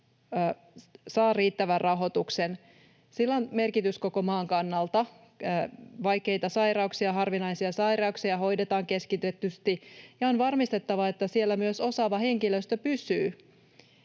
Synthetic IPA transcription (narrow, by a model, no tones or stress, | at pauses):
sɑːriːt̪ːæʋærrʔɑɦo̞t̪uksen | silːonme̞rkit̪ysko̞ko̞mɑːŋkɑnːɑlt̪ɑ | ʋɑjke̞it̪ɑsɑjɾɑuksiɑɦɑrʋinɑjsiɑsɑjɾɑuksiɑɦo̞jdet̪ɑːŋke̞skit̪et̪ːyst̪ijɑonʋɑrmist̪e̞t̪ːɑʋɑet̪ːæsielːæmyøso̞sɑʋɑhe̞ŋkiløst̪øpysyː